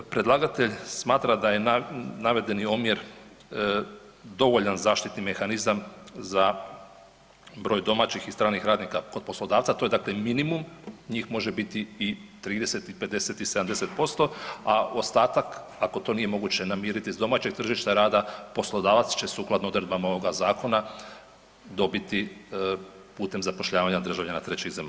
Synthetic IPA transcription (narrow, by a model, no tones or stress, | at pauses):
pɾe̞d̪lˠaːɡat̪e̞ʎsmaːt̪ɾad̪aje̞naʋe̞d̪e̞niomjeɾ | d̪o̞ʋo̞ʎanzaːʃt̪it̪nime̞xanizamza | bɾo̞ːjd̪o̞maːt͡ɕixist̪ɾaːnixɾaːd̪nikako̞d̪po̞slˠo̞d̪aːʋt̪sat̪o̞je̞d̪aːkleminimumɲiːxmo̞ʒebit̪iːt̪ɾiːd̪e̞set̪ipe̞d̪e̞set̪ise̞d̪amd̪e̞set̪̚po̞st̪o̞ao̞st̪aːt̪ak | ako̞t̪o̞ːnije̞mo̞ɡuːt͡ɕe̞namiːɾit̪izd̪o̞maːt͡ɕeɡ̚t̪r̩ʒiʃt̪aɾaːd̪apo̞slˠo̞d̪aːʋat̪st͡ɕe̞suːklad̪noo̞d̪ɾed̪bamaoʋoɡazaːko̞na | d̪o̞bit̪i | puːt̪e̞mzapo̞ʃʎaːʋaɲad̪r̩ʒaʋʎanat̪ɾe̞t͡ɕezema